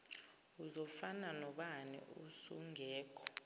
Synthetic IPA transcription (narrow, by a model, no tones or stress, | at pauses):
uzɔfananɔɓanɛ̰usuŋʱɛːkʰɔ̥